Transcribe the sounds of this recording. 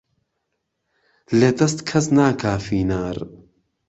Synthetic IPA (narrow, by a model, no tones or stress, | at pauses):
led̪ɐst̪kʰɐsnaːkʰaːfiːnaːɾ